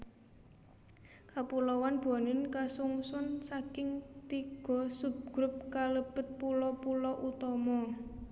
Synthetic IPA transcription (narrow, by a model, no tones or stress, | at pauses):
kapulɔwanb̥anɪnkasuŋsʊnsakɪŋt̪iɡ̥ɔ̤sup̚ɡ̥ɾup̚kaləb̥ə̤t̪̚pulɔpulɔʔut̪ɔmɔ